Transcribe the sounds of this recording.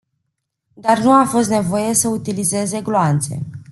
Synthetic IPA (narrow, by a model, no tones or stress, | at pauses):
d̪arnuafo̞st̪ne̞vo̞je̞səut̪ilize̞ze̞ɡloant̪se̞̰